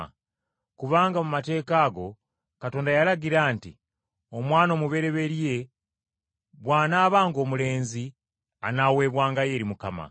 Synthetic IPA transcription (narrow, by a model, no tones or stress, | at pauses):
kuβaːŋɡamumate̞ːkaːɡo̞ | kato̞ːndajalaɡiɾaːnti | o̞mwaːno̞ːmuβe̞ɾe̞βe̞ɾije̞ | βwaːnaːβaːŋɡo̞ːmule̞ːnzi | anawe̞ːβwaːŋɡaje̞ːɾimukama̰